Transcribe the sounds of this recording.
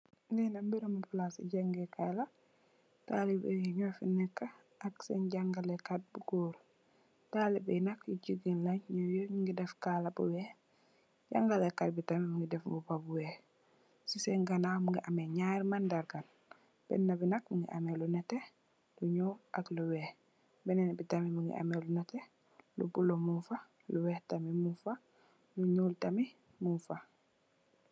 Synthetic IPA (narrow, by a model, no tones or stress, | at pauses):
ŋɡinambiɾomaplasḭɟaŋɡekala | talibḛɡiɲofinɛkːaː | ksḛnɟaŋɡalekat̚buɡoːɾ | talibinakiɟiɡinlaɲɲojoɲiŋɡidɛfkalabṵwɛ | ɟaŋɡalekat̚bitamimuŋɡidɛfmbupabuwe | sisɛŋɡanamuŋɡiʔameɲaɾmandaɾɡan | b̥ɛ̰nːabinakmuŋɡḭʔa̰melunɛte | luɲoʔakluwɛːh | bɛnɛnabitamimuŋɡḭʔa̰melunɛte | lṵbulomufa | luwɛhtamimufa | luɲultami | munfa